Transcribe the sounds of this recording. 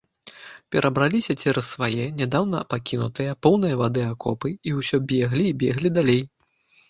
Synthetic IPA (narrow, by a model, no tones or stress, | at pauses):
pʲɛɾʔɐbɾalʲisʲɐt͡sʲɛɾɐsːvajɛnʲad̪awn̪ɐ̰pakʲinut̪ɨjɐpɔwn̪ɨjɐvad̪ɨakɔ̰pɨiwsʲɔbʲɛɣlʲiːbʲɛɣlʲid̪alʲej